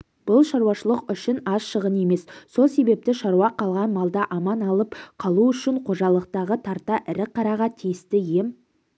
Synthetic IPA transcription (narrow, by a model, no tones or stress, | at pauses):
b̥ʊlˠʃɑɾwɑʃəlˠəqʏʃɪnɑsʃəʁəne̞me̞sːo̞lˠse̞be̞p̚t̪ɪʃɑɾuɑqʰɑlˠʁɑnmɑlˠd̪ɑʔɑmɑnɑlˠəpqʰɑlˠuʏʃɪɴqʰo̞ʒɑlˠəq̚t̪ɑʁət̪ʰɑɾt̪ɑʔɪɾɪqʰːɑɾɑʁɑt̪ʰijɪst̪ɪjem